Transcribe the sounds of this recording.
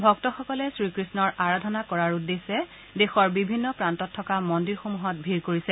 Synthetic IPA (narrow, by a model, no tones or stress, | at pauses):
bʱɔktɔxɔkɔlɛsɹikɹisnɔɹaɹadʱɔnakɔɹaɹudːesɛ | dexɔɹbibʱinːɔpɹantɔtʰːɔkamɔndiɹxomuɦɔt̚bʱiɹkoɹisɛ